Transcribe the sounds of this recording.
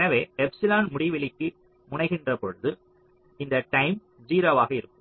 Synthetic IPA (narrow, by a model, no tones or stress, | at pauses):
ɛnɐʋeːɛpsɪlaːnmʊɽɪʋɪlɪkːɯ | mʊɳɐɪɣɪndrɐpɔɻɯðɯ | ɪnd̪ɐʈɐɪm | d͡ʒiːɾoːʋaːɣɐɪɾɯkːɯm